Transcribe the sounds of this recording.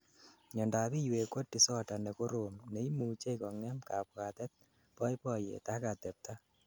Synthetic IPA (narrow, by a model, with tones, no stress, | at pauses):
ɲɔ˨nda˨pi˦jwe˨ko˦tːi˨sɔ˦ta˨ne˨ko˦ɾomne˨˦imu˨t͡ʃe˦kɔŋɛ˦mka˨pwa˨t̪ɛ˦t̪̚ | pɔ˦jpɔjḛ˨ta˦ka˨t̪ɛ˨p̚t̪a